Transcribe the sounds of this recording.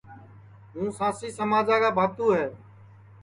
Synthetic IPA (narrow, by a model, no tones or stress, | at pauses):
ɦũːsãːsiːsəmaːd͡ʒaːkaːbʱaːt̪uːɦɛː